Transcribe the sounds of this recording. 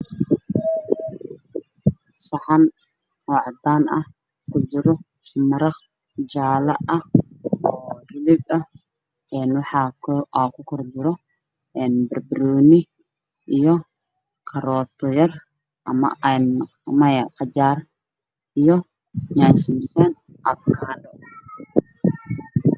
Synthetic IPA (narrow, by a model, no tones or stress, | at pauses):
sɑħɑn | ɔːʕɑd̪aːnɐ̰h | kʰʊd͡ʒɪɾɔ | mɐɾɑχ | d͡ʒaːlɐʔɐ | ɔːrɪlɪbɐ | ɛːnwɑħɑkakʰʊkʰɔrd͡ʒɪɾɔ | ʔɛːnbɐrbɪɾɔːnɪ | ʔijɔ | kʰɐɾɔːt̪ʰɔjɐr | ʔɐ̰mɐ̰ʔn | mɐjɐqɑt͡ʃaːr | ijɔ | ɲaːsɪmsɛn | ʔɐb̚kʰaːnɔ